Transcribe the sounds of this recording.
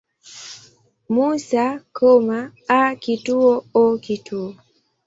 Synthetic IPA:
musakʰɔmaakituɔɔkituɔ

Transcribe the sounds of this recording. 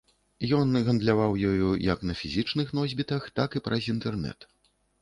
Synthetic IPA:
jɔnɣɐnd̪lʲavawjɔjujɐknɐfʲizʲit͡ʂnɨxnɔzʲbʲit̪ɐxt̪akipɾʔɐzʲint̪ɛrnɛ̰t̪

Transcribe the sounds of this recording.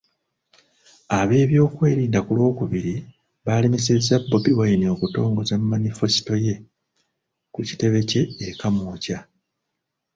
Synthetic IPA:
aβe̞ːβjo̞ːkwe̞ːɾiːndakulwo̞ːkuβiɾi | βaːlimisezabːobiwainio̞kuto̞ːŋɡo̞zamːanife̞si̥to̞je̞ | kuci̥te̞βe̞ce̞ːkamoːca

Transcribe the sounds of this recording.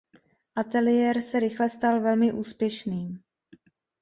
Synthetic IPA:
ʔat̪ɛlɪjɛːɾsɛɾɪxlɛst̪alvɛlmɪʔuːspjɛʃniːm

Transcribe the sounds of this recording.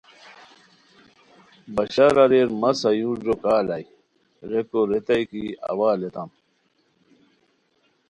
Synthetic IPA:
bɐɕaɾɐɾeɾmɐsɐjũːɾd͡ʑokaːlɐi | ɾekoɾet̪ɐjkiɐ̰waːlet̪ɐm

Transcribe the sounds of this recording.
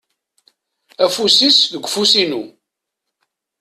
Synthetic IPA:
æfusisðəɡʷfusinu

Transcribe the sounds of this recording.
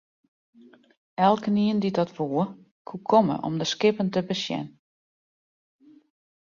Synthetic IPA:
ɛlˠkəniəndidɔtʋuə | kʰukʰɔmə̰ʔɔ̰mdəskɪpəntəbəsjɛ̰n

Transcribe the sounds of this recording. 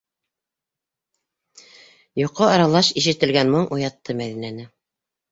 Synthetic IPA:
jŏqːoɑɾɑlˠɑʃiʃɘ̆t̪ɘ̆lɡænmɤɴʔujɑt̪ːɤmæðinænɘ

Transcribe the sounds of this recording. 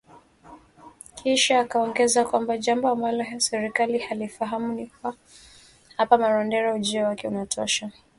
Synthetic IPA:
kʰiʃaːkaɔŋɡɛzakwambaʄambɔambalɔsɛɾikalihalifaɦamunikua | hapamaɾɔndɛɾaud͡ʒiɔwakɛunatʰɔ̰ʃa

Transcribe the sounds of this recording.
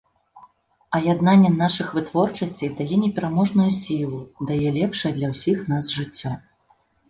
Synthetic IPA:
ɐjad̪nanʲːɛnaʂɨxvɨt̪vɔrt͡ʂɐsʲt͡sʲɐjd̪ajɛnʲɛpʲɛɾamɔʐnujusʲilˠud̪ajɛlʲɛpʂɐjɐd̪lʲɐwsʲixnazʐɨt͡sʲːɔ

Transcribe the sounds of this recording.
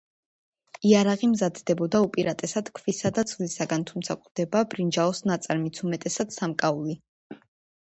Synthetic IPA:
iaɾaʁimzad̪d̪ɛbɔd̪aupʼiɾat̪ʼɛsad̪̥kʰvisad̪ad̪sʰvlisaɡant̪ʰumt̪sʰakʼd̪̥ɛbaːbɾind͡ʒaɔsnat̪sʼɛɾmit̪ʰumɛt̪ʼɛsad̪samkʼauli

